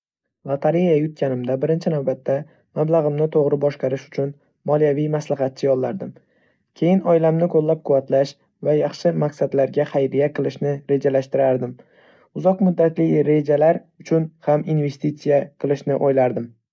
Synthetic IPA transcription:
lˠat̪ʰaɾijajʊt̪̚kʲʰanɪmd̪abɪɾɪnt͡ʃʰɪnawbat̪ʰːa | mablaʁɨmnɪt̪ʰoʁɾɪbɒʃqɑɾɪʃʊ̥t͡ʃʰʊn | mɒlijavijmaslaɦɑt̪̚t͡ʃʰɪjɒlˠːaɾd̪ɪm | kʲʰe̞jɪnɒjɪlamnɪkʰolːap̚qʰʊvat̪laʃ | vajɑχʃɪmaqsad̪laɾɡʲaχajɾijaqʰɨlˠɪʃnɪɾe̞d͡ʒalaʃt̪ɪɾaɾd̪ɪm | ʊzɒqmʊd̪ːat̪lɪjɾe̞d͡ʒalaɾʊt͡ʃʰʊnhaminve̞st̪it̪sijaqʰɨlˠɪʃnɪʔojlaɾd̪ɪm

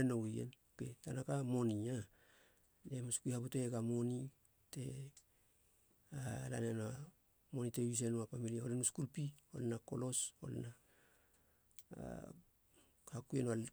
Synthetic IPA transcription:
enojḛnoke̞tanakamo̞nia | nemaskujhaputeeɡamo̞ni | te̞ | ala̰nena | mo̞nitewis̬enuapamiliholenuskulpio̞̰lenako̞̰lo̞so̞̰lna | hakuenoa

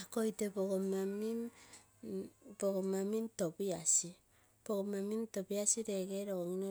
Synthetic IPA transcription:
akojtepokomamim | pokomamimtopiasi | pokomamimtopiasiɾekeɾokoŋno

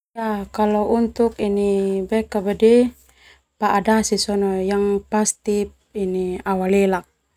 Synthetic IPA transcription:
jakalɔunt̪ukinibɛkabadɛ | paʔadasisɔnɔjaŋpast̪ip̚iniawalɛlak̚

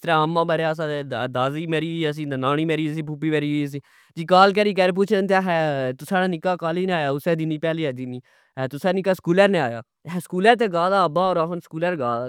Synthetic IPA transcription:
ɪst̪ɾaːəmːãːbəɾjaːs̬ãːed̪aːziːmɛːɾiːiəs̬ĩːnaːñiːmɛːɾiːəs̬ĩːp̬upːiːmɛːɾiːəs̬ĩː | d͡ʒiːkaːlk̬ɛːɾiːk̬ɛːɾeːp̬ʊːt͡ʃʰənt̪̬aɦɛt̪ʊsaːɽaːnɪkːaːkaːliːnẽaːjaːʊsɛːd̪ɪniːpɛːliːɛːd̪ɪniː | ɦɛːt̪ʊsaːnɪkaːskuːləːɾnẽaːja̰ː | ɦɛːskuːlɛːɾt̪̬eːɡaːd̪aːəbaːoːɾaːɦənskuːləɾɡaːd̪aː

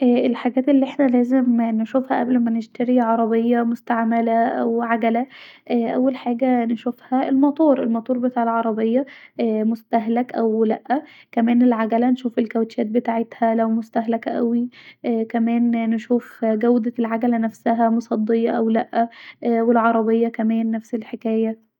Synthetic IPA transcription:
ʔæːʔelħaɡæːt̪elːiʔeħnælæːzemnʃuːfhæʔæblmæneʃt̪æɾiʕɑɾˤɑbejːɑmost̪aʕmælæʔæ̰wʕaɡælæʔæʔæ̰wːælħaːɡænʃofhæelmɑt̪ˤuːɾelmɑt̪ˤuːɾˤbet̪aːʕelʕɑɾˤɑbejːɑʔæmost̪æɦlækʔæwlæʔːækæmæːnelʕaɡælænʃuːfelkæwt̪æːt̪̚bet̪aːʕet̪hælæwmʊst̪æɦlækʔæ̰wikæmæːnːʃuːfɡæwd̪ælʕaɡælænæfsæɦæmosˤɑd̪ˤːejɑʔæwlæʔːæwelʕɑɾˤɑbejːɑkæmæːnːæfselħekæːjæ

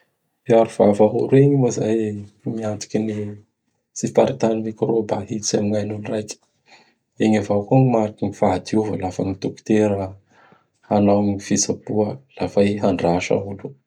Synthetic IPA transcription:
iaɾuv̥avaɦṵɾeɲimozajmiant̪i̥kʲini | sifaɾit̪anivekɾobaɦit͡samiŋajnunirajkʲi̥ | eŋavawkuŋimaɾikinifaad̪iuvəlafaŋit̪uku̥t̪eɾə | anawɲifisab̥uəlafajɦaɳɖ͡ʐaʃa̰ulu

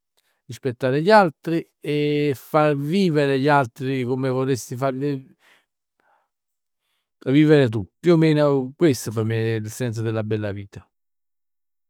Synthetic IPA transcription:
rispet̪ːaːɾeʎalt̪ɾi | efarviːveɾeʎalt̪ɾikomevɔlesːifaɾli | viːveɾet̪̬up̪ːiomeːnokwest̪opemelsɛnt̪s̬od̪ɪlːabɛlːaviːt̪a

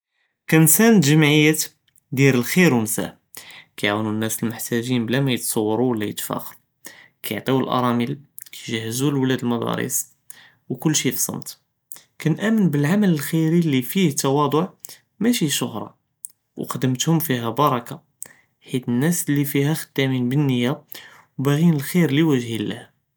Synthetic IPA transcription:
kænsænət̪ʒəmʕəjːæt̪ | d̪iɾəlxiɾwnsæ̰ħ | kæjʕawnunːæsəlmʊħt̪æʒinblæmæjət̪sˤɑwːɑɾˤuwəlːæjət̪fæ̰xɾu | kʰæjʕt̪ˤiwəlʔɑ̰ɾˤɑmil | kæʒæhːəzulwlæd̪əlmɑd̪ˤɑ̰ɾḭs | wkʊlːʃifsˤɑ̰mt̪ | kænʔæmənbəlʕamæləlxiɾilifiht̪ːɑwɑd̪ˤʊʕ | mæʃiʃʊhɾˤɑ̰ | wqɑd̪əmt̪hʊmfiɦæbɑɾˤɑka | ħit̪ənːæslːifihæxə̥d̪̥ːæminbənːəjːa | wbæɣinəlxiɾliwəʒhilːæ̰h

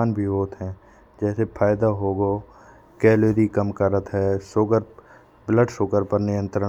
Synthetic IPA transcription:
aːnbʱiɦoːt̪ɦɛ̃ː | d͡ʒɛːsepʰaːjd̪aɦoːɡoː | kɛːleːɾikəmkəɾət̪ɦɛːsoːkəɾ | bləɖsoːkəɾpəɾnɪjə̃nt̪ɾə

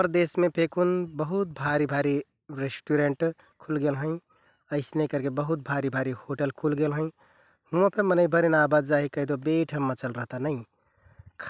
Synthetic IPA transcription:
pɾd̪esmepʰekunbəɦut̪̚bʱaɾibʱaɾi | ɾesʈuɾeɳʈ | kʰulɡelɦə̃ɪ̃ | əɪsnekəɾkebəɦut̪̚bʱaɾibʱaɾihoʈəlkʰulɡelɦə̃ɪ̃ | hũə̃pʰemənəɪbʱəɾinabad̪d͡ʒaɦikəɦid̪obeʈʰəmːət͡ʃəlɾəɦt̪anəɪ̃ | kʰ

